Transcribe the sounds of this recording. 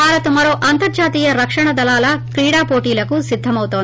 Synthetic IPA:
bʱaːɾɐt̪umɐɾo̞ːʔɐnt̪ɐɾd͡ʒaːt̪iːjɐɾɐkʂɐɳɐd̪ɐlaːlɐkɾiːɽaːpoːʈiːlɐkusid̪ʱːɐmɐwut̪oːn

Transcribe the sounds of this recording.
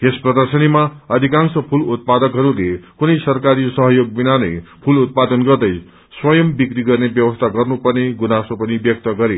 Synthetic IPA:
ɦesprʌd̪ʌrsʌnimaʌd̪ʱikansʌpʰulut̪̚pad̪ʌkɦʌɾulekunʌjsʌrkaɾisʌɦʌjoɡ̚binanʌjpʰulut̪̚pad̪ʌnɡʌrd̪ʌj | swʌjʌmbikriɡʌrnebjʌbʌst̪ʰaɡʌrnupʌrneɡunasopʌnibjʌk̚t̪ʌɡʌɾe

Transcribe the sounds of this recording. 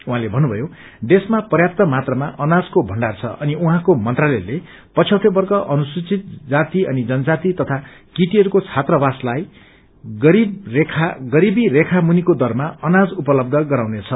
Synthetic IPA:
ũɦãlebʱʌnːubʱʌjo | ɖesmapʌrjap̚t̪ʌmat̪rʌmaʔʌnad͡zkobʱʌɳɖart͡sʰʌ̰ʔʌniuɦãkomʌnt̪ralele | pʌt͡sʰjʌwt̪ʰebʌrkʌʔʌnuswit͡sit̪̚d͡zat̪iʌnid͡zʌnʌd͡zat̪it̪ʌt̪ʰa | kiʈiɦʌɾukot͡sʰat̪rʌbaslaj | ɡʌɾibrekʰaɡʌɾibiɾekʰamunikod̪ʌrmaʌnad͡zupʌlʌb̚d̪ʱʌɡʌɾawnet͡sʰʌ

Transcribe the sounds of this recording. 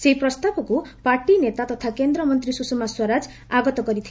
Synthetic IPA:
seɦipɾɔst̪abɔkupaɾʈinet̪at̪ɔt̪ʰakend̪ɾɔmɔnt̪ɾisusemaswɔɾad͡ʒ | aɡɔt̪ɔkɔɾit̪ʰi

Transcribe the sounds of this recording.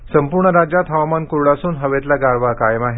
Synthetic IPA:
səmpuɾɳəɾad͡ʑjat̪ɦaʋmankuɾɭasuːnɦəʋet̪laɡaɾʋakajəmaɦe

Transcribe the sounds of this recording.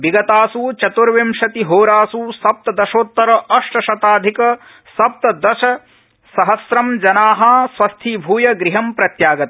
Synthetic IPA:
biɡɐt̪aːsut͡ʃɐt̪uɾʋemʃɐt̪iɦoːɾaːsusɐp̚t̪ɐd̪ɐʃoːt̪ːɐɾɐʔɐʂʈɐʃɐt̪aːd̪ʱikɐ | sɐp̚t̪ɐd̪ɐʃɐ | sɐɦɐsɾɐmd͡ʒɐnaːɦɐsʋɐst̪ʰibʱuːjɐɡɾiɦɐmpɾɐt̪jaːɡɐt̪ɐ

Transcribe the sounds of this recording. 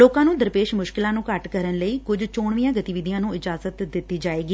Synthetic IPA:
loːkãːnũːd̪əɾpeːʃmʊʃkɪlãːnũːkəʈkəɾənləiːkʊd͡ʒt͡ʃoːɳʋijãːɡət̪iːʋɪd̪ijãːnũːɪd͡ʒaːzət̪d̪ɪt̪ːiːd͡ʒaːeːɡiː

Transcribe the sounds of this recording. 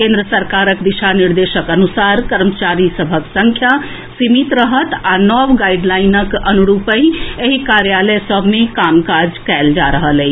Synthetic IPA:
kẽnd̪ɾəsəɾkaɾəkd̪iʃaniɾd̪esəkənusaɾkəɾmət͡ʃaɾisəbʱəksəŋkʰja | simit̪ɾəɦət̪anɔwɡaiɖlainəkənuɾupə̃jeɦikaɾjaləjsəbʱmekamkaɾd͡ʒkɛjld͡ʒaɾəɦəlɛt͡ʃʰ

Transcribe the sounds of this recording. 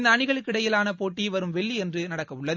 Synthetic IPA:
nd̪ɐɳɪɣɐɭɯkkːɪɽɐjɪlaːnɐpoːʈːiʋɐɾɯmʋɛɭːiɛndrɯnɐɽɐkːɐmʊɭːɐð

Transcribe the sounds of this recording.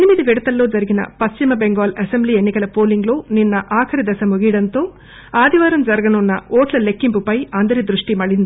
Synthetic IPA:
ɐnimid̪iʋiɽɐt̪ɐlːo̞ːd͡ʒɐɾiɡinɐ̰pɐst͡ʃimɐbe̞ŋɡaːlɐsembliːenːikɐlɐpo̞ːliŋɡlo̞ːninːɐʔaːkʰɐɾid̪ɐsɐmuɡijɐɽɐnt̪o̞ː | aːd̪ʱiʋaːɾɐmd͡ʒɐɾɐɡɐnunːɐ̰oːʈlɐle̞kːimpupɐjɐnd̪ɐɾid̪ɾuʂʈimɐɭind̪i

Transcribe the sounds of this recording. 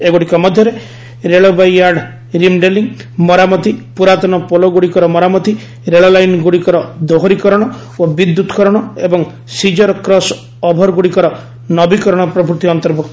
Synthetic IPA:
eɡuɽikɔmɔd̪ʱjɔɾe | ɾeɭobajaɾɖ | ɾimɖeliŋmɔɾamɔt̪ipuɾat̪ɔnɔpolɔɡuɽikɔɾɔmɔɾamɔt̪i | ɾeɭɔlajnɡuɽikɔɾɔd̪oɦoɾikɔɾɔɽ̃ɔ | obid̪ːut̪kɔɾɔɽ̃ɔebɔŋ | sid͡ʒɔɾɔkɾɔs | ɔbʱɔɾɡuɽikɔɾɔ | nɔbikɔɾɔɽ̃ɔpɾɔpuɾt̪iɔnt̪ɔɾbukt̪

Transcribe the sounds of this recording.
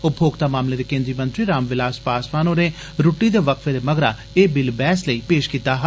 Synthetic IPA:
ʊpʰoːɡt̪aːmaːmleːd̪eːkẽːnd̪ɾiːmənt̪ɾiːɾaːmʋɪlaːspaːsʋaːnoːneː | ɾuʈːiːd̪eːʋəkʰʋeːd̪eːməɡɾaː | eːbɪlbɛːsləiːpeːʃkiːt̪aːɦ

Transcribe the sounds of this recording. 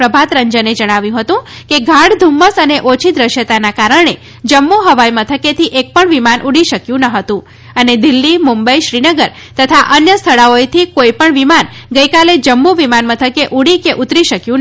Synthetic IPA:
ɾəbʱat̪ɾəɲd͡ʒəned͡ʒəɽ̃aʋjũɦət̪ũkeɡʱaɽd̪ʱumːəsəneʔot͡ʃʰid̪ɾəʃjət̪anakaɾəɳ̃e | d͡ʒəmːuɦəʋajmət̪ʰəket̪ʰiʔek̚pəɳʋimanʔuɽiʃəkjũnəɦət̪ũ | əned̪ilːimumbəiʃɾinəɡəɾ | t̪ət̪ʰaʔənjəst̪ʰəɭaojt̪ʰikoipəɳʋimanɡəjkaled͡ʒəmːuʋimanmət̪ʰəkeʔuɽikeʔut̪ɾiʃəkjũn

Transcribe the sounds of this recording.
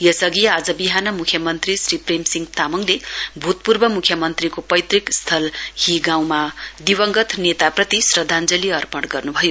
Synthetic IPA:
jʌsʌɡiad͡zʌbiɦanʌmukʰjʌmʌnt̪risripremsiŋɡt̪amʌŋlebʱut̪̚purbʌmukʰjʌmʌnt̪rikopʌjt̪rikst̪ʰʌlhiɡaw̃mad̪iwʌŋɡʌt̪ʰnet̪aprʌt̪isrʌd̪ʱand͡zʌliʌrpʌɽɡʌrnubʱʌjo

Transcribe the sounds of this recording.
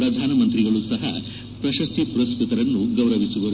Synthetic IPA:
ɾɐd̪ʱaːnɐmɐnt̪ɾiɡɐɭusɐɦɐ̰ | pɾɐʃɐst̪ipuɾɐskɾut̪ɐɾɐnːuɡɐwɾɐʋisuʋɐɾu

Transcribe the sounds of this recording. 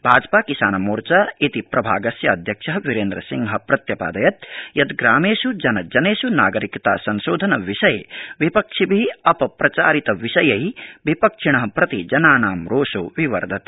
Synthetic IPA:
bʱaːd͡ʒpaːkisaːnɐmuːɾt͡ʃait̪ipɾɐbʱaːɡɐsjɐɐd̪ʱjɐkʂɐɦɐʋiɾeːnd̪ɾɐ̰siŋɦɐ̆pɾɐt̪jɐpa̰ːd̪ɐjɐt̪̚jɐd̪ɡɾaːmeːʃud͡ʒɐnɐd͡ʒɐneːʃunaːɡɐɾikt̪a̰ːsɐnʃoːd̪ʱɐnɐʋiʃɐjḛʋipɐkʂibʱiiɐpɐpɾɐt͡ʃa̰ːɾit̪ɐʋiʃɐjɐɦiʋipɐkʂiɳ̃ɐɦɐpɾɐt̪id͡ʒɐnaːnaːmɾoːʃoʋiʋɐ̰ɾd̪ʱɐt̪

